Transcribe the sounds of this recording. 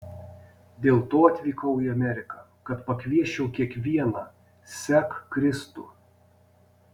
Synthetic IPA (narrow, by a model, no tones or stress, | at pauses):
d̪ʲeːlˠt̪oːɐt̪ʲʋʲiːkɐʊiɐmʲɛɾʲɪkɑˑ | kɐt̪pɐkʲʋʲiɛʃʲɛʊkʲiɛkʋʲiɛnɑ | sʲækkɾʲɪst̪ṵː